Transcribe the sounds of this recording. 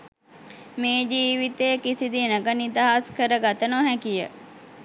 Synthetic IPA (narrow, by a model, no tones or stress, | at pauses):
meːd͡ʒiːʋit̪ejəkisid̪inəɡənit̪iɦaskəɾəɡat̪ənoɦækijə̰